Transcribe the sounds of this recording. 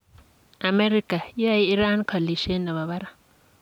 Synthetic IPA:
a˨me˦ɾi˦kʼa˨ja˦i˦i˦ɾa˦nkʰa˨li˨ʃɛ˦na˨βa˨βa˦ɾa˦

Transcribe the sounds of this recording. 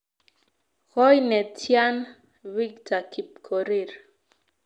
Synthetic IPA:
ɣɔ˦jnɛ˨tʰja˦n | wi˦k̚tʰa˨kʰi˨p̚kʰo˨ɾi˦˨ɾ

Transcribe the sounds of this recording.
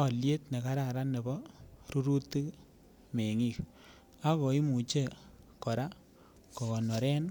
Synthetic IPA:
ɔ˨lje˦tne˨ka˦ɾa˨ɾa˦ne˨bɔ˦ɾu˦ɾu˦t̪ːi˦k | me˨ŋi˦˨k | a˦kɔ˨i˦mu˨t͡ʃe˦˨kɔ˨ɾa˦ | kɔ˨kɔ˨nɔ˨ɾɛ˦n

